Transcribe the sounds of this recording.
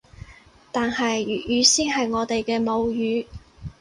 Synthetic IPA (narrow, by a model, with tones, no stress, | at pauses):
t̪aː˨nhɐ˨jjyː˨˧siː˥nɦɐ˨jŋɔː˨˧t̪e˨jkɛː˧mo˨˧wjyː˨˧